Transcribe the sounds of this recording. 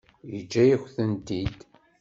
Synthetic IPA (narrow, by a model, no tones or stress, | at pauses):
jəd͡ʒːæjiçʷθənt̪id̪